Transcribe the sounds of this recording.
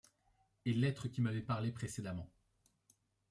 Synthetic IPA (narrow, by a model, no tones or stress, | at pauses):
elɛt̪χəkʲimavɛpaʁlepχesed̪amɑ̃